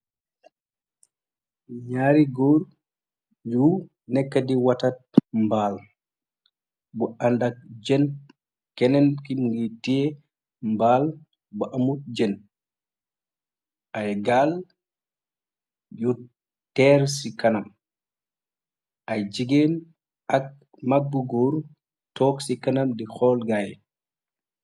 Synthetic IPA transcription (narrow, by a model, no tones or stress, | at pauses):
ɲaɾiɡɔɾ | ju | nɛkːadiwatat̚mbaːl | bɔʔandad͡ʒɛn | kɛnɛnkiɡitiɛ | mbal | bɔʔamut̚d͡ʒɛn | ʔajɡal | ju | tɛɾsikanam | ʔajd͡ʒiɡen | ak̚ | mabːuɡoɾ | tɔksikanamdixɔːlɡaj